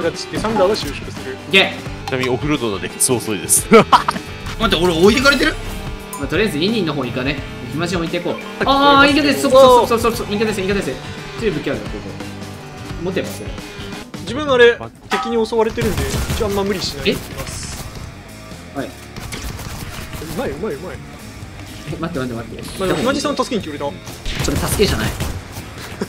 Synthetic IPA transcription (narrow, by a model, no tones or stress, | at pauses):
ɡat͡ɕi̥t̪ːesãnd̪aːɡaɕɨːɕo̥kɯ̟sɨɾɯkeknamʲĩo̞kɯ̟ɾɯd̪onad̪ekʲi̥t͡sɨoːsoid̪esɨ̥ | mat̪ːaoɾeoit̪e̞kaɾe̞t̪eɾɯ̟ | mat̪oɾind̪sneĩɲ̟ːĩnːo̞ɦoːikane | ekʲimaɕ̬ĩoit̪eikoː | aːĩket̪assooosososoĩŋkːat̪aseĩkaase̥ | t͡ɕiːbɯ̟kʲiaɾasoso̰ | mot̪ːemasɨjo̰d͡ʑibɯ̟̃ŋ̃aɾe̞ | t̪e̞kʲiɲ̟io̞so̞βaɾet̪eɾɯ̟nd̪eit͡ɕiaamːamɯ̟ɾʲiɕinaeimas | hai | eɯ̟maeɯ̟maeɯ̟mae | emat̪ːemat̪emat̪ːeaimad͡ʑisãt̪asɨ̥keɲikʲioɾet̪aso̞ɾet̪asɨ̥ke̞ʑana̰ḭ